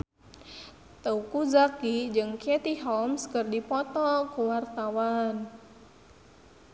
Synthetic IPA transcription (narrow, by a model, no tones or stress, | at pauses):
t̪əukud͡ʒakid͡ʒɨŋkiɛt̪iɦɔmskərdipɔt̪ɔkuwart̪awan